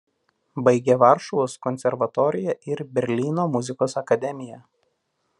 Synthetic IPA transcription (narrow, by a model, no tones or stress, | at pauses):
bɐɪɡʲɛʋɑˑɾʃɔʋoːskɔnʲsʲɛɾʋɐt̪ɔɾʲɪjɛʔɪɾbʲɛɾʲlʲiːnoːmʊzʲɪkoːsɐkɐd̪ʲɛmʲɪjɛ